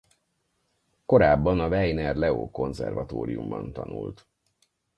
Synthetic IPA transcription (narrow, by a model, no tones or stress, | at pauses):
ko̞ɾaːbːɒnɒvɛjnɛrlɛoːko̞nzɛrvɒt̪oːɾijumbɒnt̪ɒnult̪